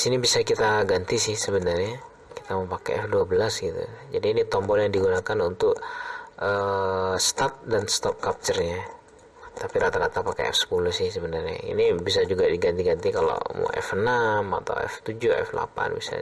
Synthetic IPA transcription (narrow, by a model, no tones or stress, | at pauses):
sinibisakit̪aɡant̪isɪhsəbənarɲa | kit̪aməmpakɛ̰ɛfduabəlasɡit̪ṵd͡ʒadiːnit̪ɔmbɔljaŋdiɡunakanunt̪ʊkʔəst̪at̪̚danst̪ɔp̚kap̚t͡ʃərɲa | t̪apiɾat̪aɾat̪apakḛɛ̰fsə̥pulʊhsɪhsəbənarɲa̰ḭnibisad͡ʒuɡadiɡant̪iɡant̪ikalo̰m̰ʔɛ̰fənama̰t̪a̰wɛ̰ft̪ud͡ʒʊɛ̰fla̰pa̰nbḭsa̰